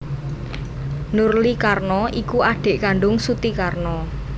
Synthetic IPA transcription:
nurlikarnɔikuʔaɖ̥e̤ʔkaɳɖʊŋsut̪ikarnɔ

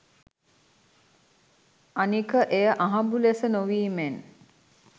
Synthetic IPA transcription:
anikəʔejəʔaɦɐmbulesənoʋiːmen

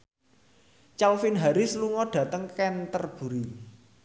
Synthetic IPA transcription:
t͡ʃawfinɦaɾɪsluŋɔɖ̥ä̤t̪əŋkɛnt̪ərb̥ṳɾi

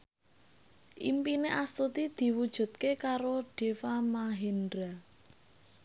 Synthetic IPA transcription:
ʔḭmpineʔast̪ut̪id̪̥i̤wud̥ʒ̥ṳt̪̚kekaɾoɖ̥e̤famaɦendɾa

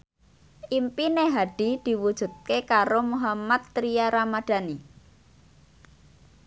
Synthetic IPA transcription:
ʔimpineɦaɖ̥i̤d̪̥i̤wud̥ʒ̥ṳt̪̚kekaɾomuɦamat̪ːɾijaɾamad̪̥a̤ni

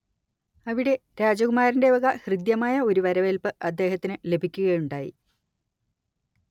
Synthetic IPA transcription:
ɐʋiɽe̞ɾaːd͡ʑɐɣumaːɾinde̞ʋɐɣɐhrɨd̪jɐmaːjɐo̞ɾuʋɐɾɐʋelpɨʔɐd̪ːe̞ːhɐt̪ːinɨle̞bʱikʲːuɣɐjuɳɖaːjḭ

